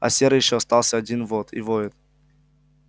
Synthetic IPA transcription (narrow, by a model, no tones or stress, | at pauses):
ɐ̰sʲeɾəjɪɕːoɐst̪alˠsʲəɐdʲinvot̪ʰḭvojɪt̪